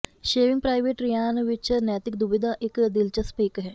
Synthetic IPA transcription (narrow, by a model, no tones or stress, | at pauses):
ʃeːʋɪŋɡpɾaːɪʋeːʈɾijaːnʋɪt͡ʃnɛːt̪ɪkd̪ʊbɪd̪aːʔɪkd̪ɪlt͡ʃəspiːkɦɛː